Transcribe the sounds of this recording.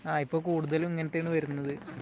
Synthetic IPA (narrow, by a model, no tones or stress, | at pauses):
aːipːo̞ːkuːɽuðɐlumiŋːɐnet̪ːeːɳɨʋɐɾunːɐðɨ